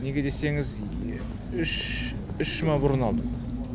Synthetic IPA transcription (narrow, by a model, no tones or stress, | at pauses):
neɡʲed̪eseŋɪz | ʏʃ | ʏʃmɑbʊɾənɑd̪ə